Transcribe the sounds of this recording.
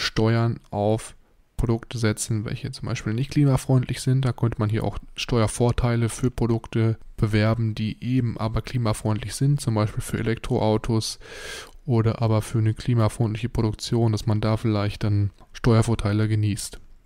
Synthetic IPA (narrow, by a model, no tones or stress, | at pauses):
ʃtɔʏɐnʔaʊf | pʁ̥odʊktəzɛt͡sn̩vɛ̰lçət͡sʊmba̰ɪʃpiːlnɪçtkl̥iːmafʁ̥ɔʏntʰlɪçz̥ɪnt̚d̥aːkʰœntəmanɦiːɐʔa̰ʊxʃtɔʏɐfoːɐtʰaɪləfyːɐpʁ̥odʊktəb̥əvɛɐbm̩diːʔeːbm̩ʔaːbɐkl̥iːmafʁ̥ɔʏntlɪçz̥ɪnt̚t͡sʊmbaɪʃpiːlfyːɐʔḛlɛk̚tʁ̥oʔaʊtʰos | ʔoːɾɐʔaːbɐfyːɐnəkʰl̥iːmafʁ̥ɔʏntlɪçəpʁ̥oɾʊkt͡sjoːndasmandaːfɪlaɪçt̚d̥an | ʃtɔʏɐfoːɐtʰaɪləɡəniːst